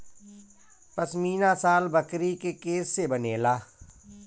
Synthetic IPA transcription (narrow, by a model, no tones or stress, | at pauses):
pɐsmiːnasaːlbɐkɾikekeːsːebɐneːlaː